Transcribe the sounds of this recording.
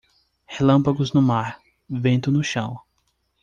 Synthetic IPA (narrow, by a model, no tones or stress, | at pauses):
helɐ̃mpaɡʊznʊmaɾ | vẽnt̪ʊnʊʃɐ̰̃w̃